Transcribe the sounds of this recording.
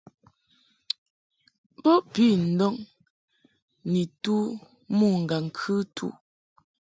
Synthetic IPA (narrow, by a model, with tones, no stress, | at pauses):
bɔ˦pi˦˨n̩˨dɔ˦ŋ | ni˨tu˦ | mu˦˨ŋ̩˨ɡa˨ŋ̩˨kʰʉ˦tʰṵ˦